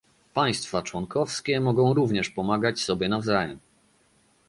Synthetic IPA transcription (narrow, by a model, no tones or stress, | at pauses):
paj̃st̪fat͡ʂwɔŋkɔfskʲɛmɔɡɔ̃w̃ɾuvɲɛʂpɔmaɡat͡ɕsɔbʲjɛnavzajɛm